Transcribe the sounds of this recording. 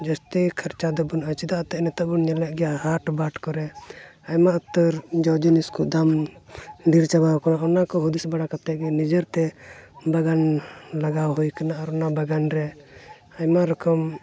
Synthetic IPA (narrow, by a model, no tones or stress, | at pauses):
d͡ʒast̪ikʰəɾt͡ʃad̪ɔbunət͡ʃid̪aʔt̪ɛʔnɛt̪abunɲɛlɛʔ̚ɡɛjahaʈbaʈkɔɾɛajmaʔut̪ːəɾd͡ʒɔwd͡ʒɔniskuʔd̪am | ɖiɾt͡ʃabawkanaʔɔnakɔɦud̪isbaɽakat̪ɛʔɡɛnid͡ʒəɾt̪ɛbaɡanlaɡawɦujkanaaɾɔnabaɡanɾɛ | ajmaɾɔkɔm